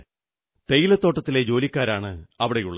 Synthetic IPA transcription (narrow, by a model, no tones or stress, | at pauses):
t̪e̞jilɐt̪ːo̞ːʈːɐt̪ːile̞d͡ʑo̞ːlikʲːaːɾaːɳɨɐʋiɽejṵɭːɐ